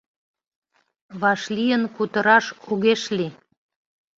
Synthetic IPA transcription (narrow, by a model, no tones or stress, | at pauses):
βɑʃlijənkut̪əɾɑʃuɣeʃli